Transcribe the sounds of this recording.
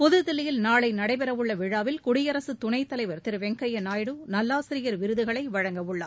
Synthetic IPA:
pɔðɯðɪlːɪjɪlnaːɭɐɪnɐɽɐɪpɛɾɐʋɯɭːɐʋɪɻaːʋɪlkʊɽɪjɐɾɐsɯt̪ʊnɐɪt̪ːɐlɐɪʋɐɾt̪ɪɾɯʋɛŋkɐjɐnaːjɽɯnɐlːaːsɪɾɪjɐɾʋɪɾɯðɯɣɐɭɐɪʋɐɻɐŋɡɐʋɯɭːɐ̰

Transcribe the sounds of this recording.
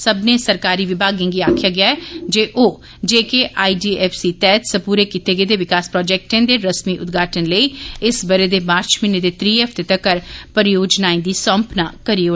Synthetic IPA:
səbneːsəɾkaːɾiːʋɪbʱaːɡẽːŋɡiaːkʰɪjaːɡɪaːɛːd͡ʒeːʔoː | d͡ʒeːkeʔaːiɖiːɛːpʰsiːt̪ɛːt̪səpuːɾeːkit̪eːɡəeːd̪eːʋɪkaːspɾɔːd͡ʒɛːk̚ʈẽːnd̪eːɾəsmiːʔʊt̪ɡʱaːʈənləiːɪsbəɾeːd̪eːmaːɾt͡ʃmɪneːd̪eːt̪ɾiːɛfʰt̪et̪əkəɾpəɾjoːd͡ʒnaːĩd̪iːsə̃mpnaːkəɾiːoː

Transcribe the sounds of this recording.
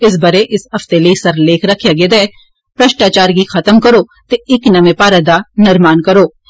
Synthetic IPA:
ɪs̬bɐɾeʔɪsɦɐft̪eleisɐɾleːkʰɾɐkʰjaɡed̪eː | pɾɐʃʈaːt͡ʃaːɾɡixɐt̪əmkɐɾoːt̪eɪknɐmẽpaːɾɐd̪anɪɾmaːnkɐɾoː

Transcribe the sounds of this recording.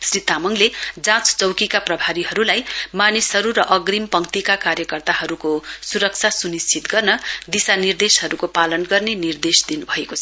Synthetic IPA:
srit̪amʌŋled͡zãt͡st͡sʌwkikaprʌbʱaɾiɦʌɾulajmanisɦʌɾuɾʌʔʌɡrimpʌŋt̪ikakaɾjʌkʌrt̪aɦʌɾukosuɾʌk̚t͡sʰasunist͡sʰit̪ɡʌrnʌd̪isanird̪esɦʌɾukopalʌnɡʌrnenird̪esd̪inubʱʌekot͡sʰʌ

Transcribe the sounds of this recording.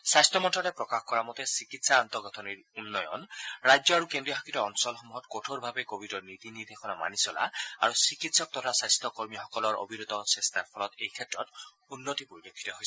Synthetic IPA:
sajstʰɔmɔntʰɹɔɾɛpɹɔkaxkɔɹamɔt̪ɛsikitsaːnt̪ɔɡɔt̪ʰɔniɹunːɔjɔ̰nɹajd͡ʒjɔaɹukendɹijɔɦakitɔɔnsɔlxɔmuɦɔtkotʰoɹbʱabɛkobʱidɔɹnit̪iniɹd̪ʱexʰɔnɔma̰nisɔla̰a̰ɹusikitsɔk̚t̪ɔtʰasajst̪ʰɔkoɹmixɔkɔlɔɹʔo̰bʱinot̪ɔsɛst̪ʰaɹpʰɔlɔtejkʰɛtɹɔt | unːotipoɹidokʰːi̥tɔɦojsɛ

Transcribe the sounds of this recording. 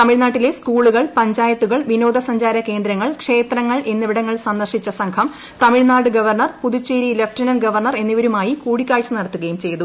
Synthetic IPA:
t̪ɐmiɻnaːʈːile̞skuːɭuɣɐɭpɐɲd͡ʑaːjɐt̪ːuɣɐɭʋino̞ːd̪ɐsɐɲd͡ʑaːɾɐke̞ːnd̪ɾɐŋːɐɭkʂe̞ːt̪rɐŋːɐɭe̞nːiʋiɽɐŋːɐɭsɐnd̪ɐrʂit͡ɕːɐsɐŋkʰɐm | t̪ɐmiɻnaːɽɨɡɐʋɐrɳɐrpuðut͡ɕːeːɾilɐfʈrinɐnɡɐʋɐrɳɐre̞nːiʋɐɾumaːjikuːɽikʲːaːɻt͡ɕːɨnɐɽɐt̪ːuɣɐjumt͡ɕe̞jt̪u

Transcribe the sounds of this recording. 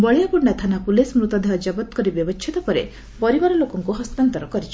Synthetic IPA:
bɔɭejakuɳɖat̪ʰanapulesmɾut̪ɔd̪ʱaɦɔd͡ʒabɔt̪kɔɾibjɔbɔt͡ʃʰit̪ɔpɔɾḛ | pɔɾibaɾɔlokɔŋkuɦɔst̪ant̪ɔɾɔkɔɾit͡ʃʰi̥

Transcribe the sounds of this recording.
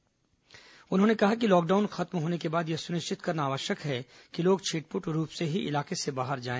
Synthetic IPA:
ʊnɦõːnekɐɦak̬ilɔːk̚ɖaːʊnxɐt̪mɦoːnekebaːd̪jesʊnɪʃt͡ʃɪt̪kɐɾnaːʋəʃjəkɦɛ | kiloːɡt͡ʃʰeːʈ̚pʊʈɾuːpseɦiʔɪ̰laːkesebaːɦəɾd͡ʒaːẽː

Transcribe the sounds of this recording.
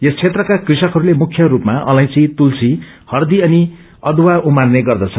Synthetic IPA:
jest͡sʰet̪rʌkakrisʌkɦʌɾulemukʰːjʌɾupmaʔʌ̰lãj̃t͡sĩt̪ulsʰi | hʌrd̪iʌni | ʌd̪waumarneɡʌrd̪ʌt͡sʰʌn

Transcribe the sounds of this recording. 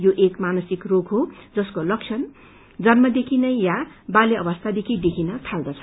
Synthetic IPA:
joʔekmanʌsikroɡɦod͡zʌskolʌkt͡sʰʌn | d͡zʌnmʌd̪ekʰinʌjjabaleʌbʌst̪ʰad̪ekʰid̪ekʰinʌt̪ʰald̪ʌt͡sʰʌn

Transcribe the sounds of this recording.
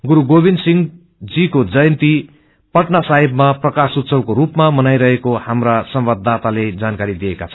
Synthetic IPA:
ɡuɾuɡobinsiŋɡ | d͡zikod͡zʌjʌnt̪i | pʌʈnasaɦibmaprʌkasut̪sʌwkoɾupmamʌnajɾʌɦekohamrasʌmbʌd̪ːat̪aled͡zankaɾid̪ijekat͡sʰʌ

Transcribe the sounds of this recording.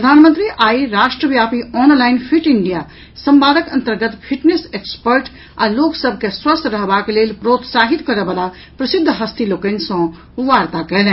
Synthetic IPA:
pɾəd̪ʱaːnmə̃nt̪ɾiʔaiɾaʃʈɾəbjapiʔɔnlaɪnpʰiʈiɳɖija | sə̃mpaːd̪ʱəkənt̪əɾɡət̪pʰiʈnesekspəɾʈ | a̰loksəbʱkeswəst̪ɾəɦbakelelpɾot̪saɦit̪kəɾebala | pɾəsid̪ʱːəɦəst̪ilokənsɔ̃ | ʋaɾt̪akɛlɛ̃

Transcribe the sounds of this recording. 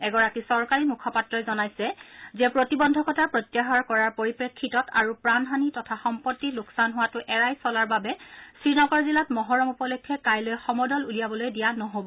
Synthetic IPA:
ɛɡɔɹakisɔɹkaɹimukʰɔpatɹɔjzɔnajsɛzɛpɹotibɔndʱɔkɔtʰapɹɔtjaɦɔɹkɔɹaɹpoɹipɹekʰːitɔtʰa̰ɹupɹanɦanitɔtʰaxɔmpɔtːilʊksanɦʊwatʊʔɛɹajsɔlaɹbabɛsɹinɔɡɔɹzilatmɔɦɔɹɔmupɔlɔkʰːɛkajlojxɔmɔdɔlulijabɔlojdijanɔɦobɔ

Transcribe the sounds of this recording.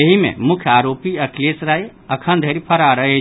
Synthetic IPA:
əɦimḛ̃mʊkʰjaːɾoːpiɐkleːsɾaːe | əkʰənd̪ʱeɾipʰəɾaɾəɦe

